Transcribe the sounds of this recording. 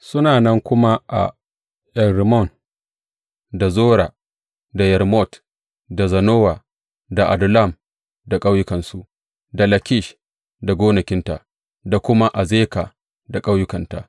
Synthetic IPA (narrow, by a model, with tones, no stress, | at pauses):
sʊ˦naː˨nɐ˦ŋkʷʊ˦ma˦ʔa̰˨ | ʔɛ˨nɾɪ˨mɔ˦˨n | da˨zoː˦ɾa˨ | da˨jɛ˨ɾmɔ˦˨t | da˨zɐ˨noː˦waː˨ | da˨ʔa̰˨dʊ˨la˦˨m | da˨kʼa˦wjʊ˦kɐ˨nsu˦ | da˨lɐ˨kʲɪ˦˨ʃ | da˨ɡʷoː˦nɐ˨kʲɪ˦nta̰˨ | da˨kʷʊ˦ma˦ʔa˨zeː˦ka˨ | da˨kʼa˦wjʊ˦kɐ˨nta̰˨